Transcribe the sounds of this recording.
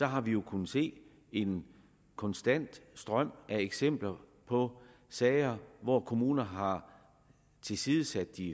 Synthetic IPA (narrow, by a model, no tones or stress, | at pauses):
sɒ̽ɦɑ̈ʋijo̝kʰun̩se̝̰ː | e̝n | kʰɒ̽nsd̥æn̰d̥sd̥ʁɶm̰ʔæeɡ̥sem̰b̥lɐpʰɒ̽ | sɛːɪɐʋɒkʰo̝muːnɐɦɑ̈ | t͡sʰe̝lsiːðˠəsæd̥ːi